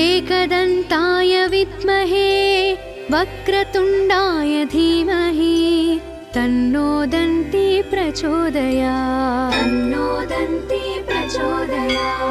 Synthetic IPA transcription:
eːkɐd̪ɐnt̪aːjɐʋit̪mɐɦeː | ʋɐkɾɐt̪uɳɖaːjɐd̪ʱiːmɐɦi | t̪ɐnːoːd̪ɐnt̪ipɾɐt͡ʃoːd̪ɐjaːt̪ɐnːoːd̪ɐnt̪ipɾɐt͡ʃoːd̪ɐja

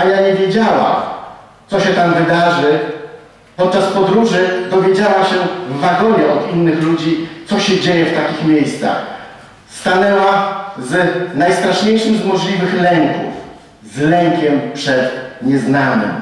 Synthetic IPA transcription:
ajaɲɛvʲjed͡ʑawa̰ | t̪sɔɕɛt̪amvɘd̪aʐɘ | pɔt̪̚t͡ʂaspɔd̪ɾuʐɘd̪ɔvʲjed͡ʑawaɕɛvːaɡɔɲɛɔd̪inːɘxlud͡ʑit̪sɔɕɛd͡ʑejɛft̪akʲixmʲjejst̪sa̰x | st̪anɛwaznajst̪ɾaʂɲejʂɘmzmɔʐlʲivɘxlɛŋkṵf | zlɛŋkʲɛmpʂɛt̪ɲɛznanɘ̰m

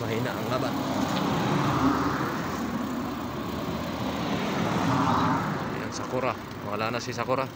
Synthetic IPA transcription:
maɦinaʔaŋlaban | ḭaŋsakuɾa | awalanasis̬akuɾa

